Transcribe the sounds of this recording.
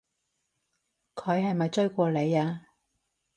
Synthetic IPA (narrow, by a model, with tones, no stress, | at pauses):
kʰɵ˨˧ɥɦɐ˨jmɐ˨jt͡sɵ˥ɥkʷɔː˧le˨˧jaː˧